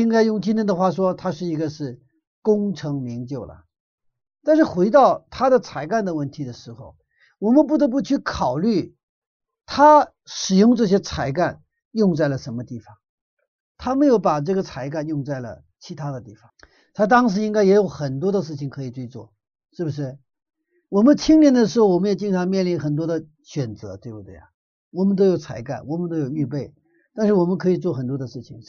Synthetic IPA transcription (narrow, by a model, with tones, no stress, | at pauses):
i˥ŋka˥ɪjʊ˥˩ŋt͡ɕi˥nə˥nd̪ə˧xwa˥˩ʂ̬wɔ˥t̪ʰa˥ʂɻ̩˥˩i˧˥ɡə˧ʂɻ̩˥˩ | kʊ˥ŋʈ͡ʂʰɤ˧˥ŋmi˧˥ŋt͡ɕjo˥˩ʊlə̰˩ | t̪a˥˧nʂɻ̩˥˩xwe˧˥ɪt̪ɑ˥˩ʊt̪ʰa˥d̪ə˨t͡sʰa˧˥ɪka˥˩nd̪ə˩wə˥˩nt̪ʰi˧˥d̪ə˨ʂɻ̩˧˥xo˧˩ʊ | wɔ˨˩mə˧˦np̬u˥˩t̪ɤ˧˥p̬u˥˧t͡ɕʰy˥˩kʰɑ˨˩ʊly˥˩ | t̪ʰa˥ | ʂɻ̩˨˩jʊ˥˧ŋʈ͡ʂɤ˥˩ɕ̬jɛ˥t͡sʰa˧˥ɪka˥˩n | jʊ˥˧ŋt͡sa˥˩ɪlə˩ʂə˧˥nmə˧t̪i˥˩fɑ˨˩ŋ | t̪ʰa˥me˧˥ɪjo˧˥ʊpa˨˩ʈ͡ʂɤ˥˩ɡə˩t͡sʰa˧˥ɪka˥˧njʊ˥˧ŋt͡sa˥˩ɪlə̰˩ | t͡ɕʰi˧˥t̪ʰa˥d̪ə˨t̪i˥˩fɑ˨˩˦ŋ | t̪ʰa˥t̪̬ɑ˥ŋʂ̬ɻ̩˧˥i˥ŋka˥ɪjɛ˧˥jo˧˥ʊxə˨˩nt̪wɔ˥d̪ə˧ʂ̬ɻ̩˥˩t͡ɕʰi˨˩ŋkʰɤ˧˥i˨˩ʈ͡ʂwe˥˧ɪt͡swɔ̰˥˩ | ʂɻ̩˥˩bu˩ʂ̬ɻ̩˥˩ | wɔ˨˩mə˦nt̪ʰi˥ŋnjɛ˥nd̪ə˧˩ʂ̬ɻ̩˧˥xo˥ʊwɔ˨˩mə˦˥jɛ˨˩t͡ɕi˥˩ŋʈ͡ʂʰɑ˧˥ŋmjɛ˥˩nli˧˥nxə˨˩nt̪wɔ˥d̪ə˧ | ɕɥɛ˨˩nt͡sɤ˧˥t̪we˥˩ɪbu˨˩t̪wḛ˥˩ɪa˩ | wɔ˨˩mə˦nt̪̬o˥ʊjo˧˥ʊt͡sʰa˧˥ɪka̰˥˩nwɔ˨˩mə˦nt̪o˥ʊjo˨˩ʊy˥˧pe˥˩ɪ | t̪a˥˧nʂ̬ɻ̩˥˩wɔ˨˩mə˦nkʰɤ˧˥i˨˩t͡swɔ˥˩xə˨˩nt̪wɔ˥d̪ə˧ʂɻ̩˥˩t͡ɕʰi˨˩ŋ